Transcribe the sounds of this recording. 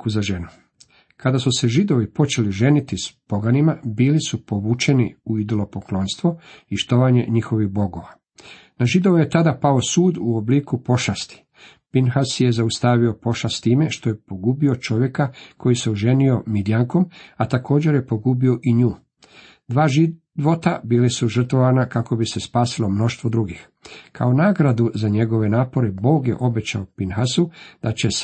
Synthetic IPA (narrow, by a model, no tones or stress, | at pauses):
kuzaʒenu | kad̪asuse̞ʒid̪o̞ʋipo̞t͡ʃe̞liʒe̞nit̪ispo̞ɡanimabiːlisupo̞ʋuːt͡ʃe̞nḭuid̪o̞lo̞poklˠo̞ːnst̪ʋoiʃt̪oʋaɲe̞̰ɲixo̞ʋiɣbo̞ɡo̞ʋa | naʒid̪oʋuje̞t̪ad̪apaosuːd̪uoblikupo̞ʃast̪i̥ | pinxasje̞zaust̪aːʋio̞po̞ʃast̪t̪iːme̞ʃt̪oje̞po̞ɡubio̞t͡ʃo̞ʋje̞kakʰo̞jiseuʒe̞nio̞mid̪ijaŋko̞mat̪ako̞ːd͡ʑe̞ɾjepo̞ɡubio̞ʔiɲuː | d̪ʋaːʒi | ʋot̪abiːlisuʒr̩t̪ʋo̞ʋanakako̞bise̞spaːsilo̞mno̞ʃt̪ʋo̞d̪ɾuɡix | kʰa̰onaːɡɾad̪uzaɲe̞ɡo̞ʋe̞naːpo̞ɾebo̞ːɡje̞̰ʔo̞be̞t͡ɕa̰opinxasud̪̥at͡ɕe̞s